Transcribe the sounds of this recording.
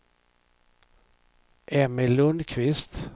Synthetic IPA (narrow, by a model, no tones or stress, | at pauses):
ʔeːmɪlɵnkʰʋɪst̪